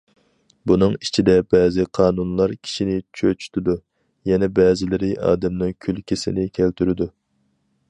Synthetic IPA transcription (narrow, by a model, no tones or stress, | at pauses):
bunɨŋit͡ʃʰid̪ɛbɛːzɪqʰɑːnunlˠɑɾkʲʰi̥ʃinɪt͡ʃʰøt͡ʃʰy̥t̪ʰɪd̪u | jɛnɛbɛːzɪlɪɾɪʔɑ̰ːd̪ɛmnɪŋkʲʰylkʲʰɪsɪ̰nɪkʲʰælt̪ʰyɾɪd̪u